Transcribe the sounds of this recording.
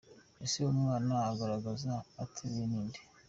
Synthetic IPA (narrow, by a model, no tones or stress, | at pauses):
esiomŋannahaɡaɾaɡazaːtʰeβeniːnde̥